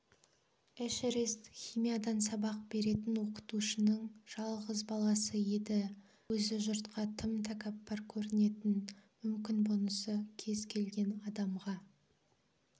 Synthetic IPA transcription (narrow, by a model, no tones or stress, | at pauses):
æʃeɾest̪χʲijmijad̪ɑnsɑbɑq̚be̞ɾe̞t̪ɪnwo̞qə̥t̪uʃənəɴʒ̥ɑlˠʁəzbɑlˠɑsəje̞d̪ɪ | wɵzɪʒʊɾt̪qɑt̪ʰəmt̪ʰakapːɑɾkʲʰɵɾɪne̞t̪ɪnmʏmkʲɪnbʊnəsəkʲʰe̞zkʲʰe̞lɡʲe̞nɑd̪ɑmʁɑ